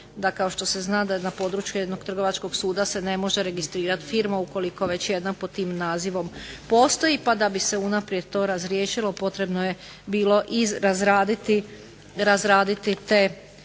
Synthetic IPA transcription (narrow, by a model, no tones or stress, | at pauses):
d̪akao̞ʃt̪o̞se̞znaːd̪ajed̪napo̞ːd̪ɾut͡ʃjujed̪no̞ɡ̚t̪r̩ɡo̞ʋat͡ʃko̞ɡsuːd̪ase̞ne̞mo̞ʒeɾe̞ɡist̪ɾiːɾat̪fiːɾmauko̞liko̞ʋe̞t͡ɕje̞d̪napod̪̚t̪ːiːmnaːziʋo̞mpo̞ːst̪o̞jipad̪abise̞unapɾjed̪t̪o̞ːɾazɾjeːʃilˠo̞po̞t̪ɾe̞bnoje̞ | biːlˠo̞ʔizɾazɾaːd̪it̪i | ɾazɾaːd̪it̪it̪eː